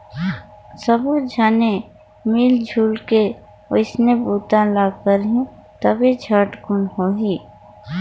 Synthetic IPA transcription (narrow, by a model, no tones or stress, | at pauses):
səbod͡ʒʱaːne | miːld͡ʒʱuːlke | oɪsnebuːt̪ãlaːkəɾɦĩt̪əbid͡ʒʱəʈɡʊnɦoɦiː